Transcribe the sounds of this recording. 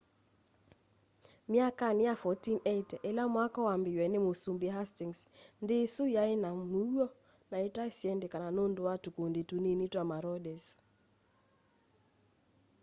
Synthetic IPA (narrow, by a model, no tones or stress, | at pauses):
mjakanɪafɔtinetɛʔɛlamwakɔwambɪjwɛnɪmosumbiɦastiŋsndɪsʊjaɪnamuɔ | naɪtasjɛndɪkananondʊwatukonditunenitwamaɾɔdɛs